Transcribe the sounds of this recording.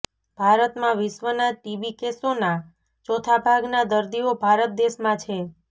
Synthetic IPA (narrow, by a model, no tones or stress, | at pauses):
b̥ʱaɾət̪mãʋɪʃʋənaʈibikesona | t͡ʃɔt̪ʰabʱaɡnad̪əɾd̪iobʱaɾət̪̚d̪eʃmãt͡ʃʰe